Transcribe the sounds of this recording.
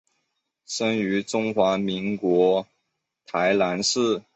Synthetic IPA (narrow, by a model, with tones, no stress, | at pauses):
ʂə˥ny˧˥ʈ͡ʂʊ˥ŋxwa˧˥mi˧˥ŋkwɔ˧˥ | t̪ʰa˧˥ɪla˧˥nʂɻ̩˥˩